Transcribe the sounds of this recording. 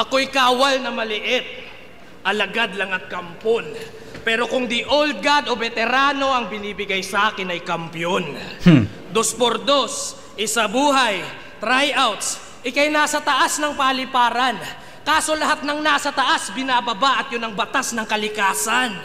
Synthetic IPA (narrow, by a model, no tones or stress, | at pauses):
ʔɐko̞jkaːwɐlnɐmɐlɪʔɪt̪̚ | ʔɐlɐɡad̪lɐŋɐt̪̚kɐmpon | pɛːɾo̞kʊŋd̪ɪʔold̪̚ɡad̪o̞bɛt̪ɛɾaːno̞ʔɐŋbɪniːbɪɡajsɐʔaːkɪnɐjkɐmpjon | d̪o̞spoɾd̪o̞s | ʔɪsɐbuːɦɐj | t̪ɾajʔawt̪s | ʔɪkajnaːsɐt̪ɐʔasnɐŋpɐɐlɪpaːɾɐn | kaːso̞lɐɦat̪̚nɐŋnaːsɐt̪ɐʔasbɪnaːbɐbaʔɐt̪̚jʊnɐŋbɐt̪asnɐŋkɐlɪkaːsan